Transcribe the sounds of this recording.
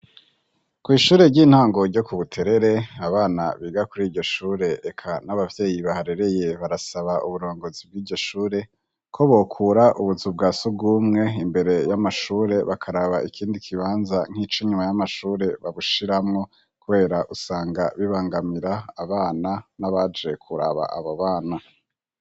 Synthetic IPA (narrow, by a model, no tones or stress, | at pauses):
kwiːʃuːɾe̞ɾɟiːn̥haːŋɡo̞ɾɟo̞kuβutʰe̞ɾe̞ɾe̞aβaːna̰βiːɡakuɾiːɾɟo̞ʃuːɾe̞ekʰanaβavje̞ːjiβahaɾe̞ɾe̞je̞βaɾasaβaʔuβuɾo̞ːŋɡo̞zib̚ɡiːɾɟo̞ʃuːɾe̞ | kʰo̞βo̞kʰuːɾaʔuβuzub̚ɡaːsubɡuːmŋe̞imbe̞ɾe̞jamaʃuːɾe̞βakʰaɾaβaikʰiːndikʰiβaːnzaŋ̥iːt͡ʃoɲumajamaʃuːɾe̞βaβuʃiɾamŋo̞ | kuβe̞ːɾaʔusaːŋɡaβiβaːŋɡamiɾaːβaːnanaβad͡ʒe̞kʰuɾa̰βa̰ʔa̰βaβaːna